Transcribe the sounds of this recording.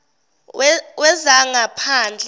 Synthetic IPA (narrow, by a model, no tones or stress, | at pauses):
wɛzaŋapʰaːnd͡ɮʱ